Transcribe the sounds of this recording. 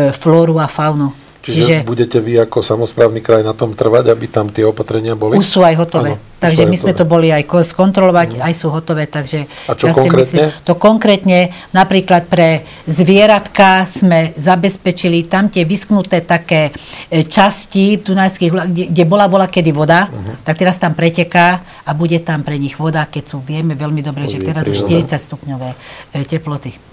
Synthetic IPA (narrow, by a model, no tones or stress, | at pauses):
flɔːɾuafaʊnu | t͡ʃit͡ʃiʒʒɛbuɟɛcɛʋiakɔsamɔspɾaːʊnikɾajnat̪ɔmt̪r̩ʋaɟabit̪amt̪ɪɛɔpat̪ɾɛɲɪabɔliusuːajɦɔt̪ɔʋɛːt̪aɡʒɛmizmɛtt̪ɔbɔliajkskɔnt̪ɾɔlɔʋaɟajsuːɦɔt̪ɔʋɛːt̪aɡʒɛt͡ʃasimɾiɛsliɲɛt̪ɔkɔŋkɾɛːt̪ɲɛnapɾiːklat̪̚pɾɛ | zʋɪɛɾat̪kaz̥mɛzabɛspɛt͡ʃilit̪amt̪ɪɛʋisknut̪ɛːt̪akɛːt͡ʃascivd̪unajskiːɣulaɡɛɡɟɛbɔlaʋɔlakɛd̪iʋɔd̪at̪ak̚t̪ɛɾast̪ampɾɛcɛkaː | abuɟɛt̪ampɾɛɲiɣʋɔd̪akɛcsuːʋɪɛmɛʋɛlmid̪ɔbɾɛːʒɛt̪ɛɾazuʃt̪iɾit͡sacst̪upɲɔʋɛːcɛplɔt̪i